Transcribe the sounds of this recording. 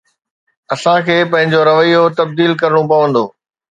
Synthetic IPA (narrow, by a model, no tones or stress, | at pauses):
ɐsãkʰeːpɐ̃ɦɪ̃ɲd͡ʑoɾɐʋəijot̪ɐb̚d̪iːlkɐɾɽ̃upɐʋə̃nd̪oː